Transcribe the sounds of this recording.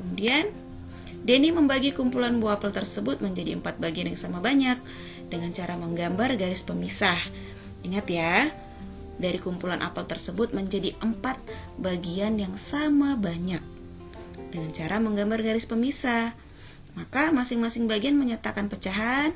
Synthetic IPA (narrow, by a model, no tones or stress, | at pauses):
kəmudian | deniməmbaɡikumpulanboapəlt̪ərsəbʊt̪̚məɲd͡ʒadiəmpat̪̚baɡianjaŋsamabaɲak̚ | dəŋant͡ʃaɾaməŋɡambarɡaɾɪspəmisah | iŋat̪ja | daɾikumpulanʔa̰pəlt̪ərsəbʊt̪̚məɲd͡ʒadiʔəmpat̪̚baɡianjaŋsamabaɲak̚ | dəŋant͡ʃaɾaməŋɡambarɡaɾɪspəmisah | makamasɪŋmasɪŋbaɡianməɲat̪akanpət͡ʃaɦan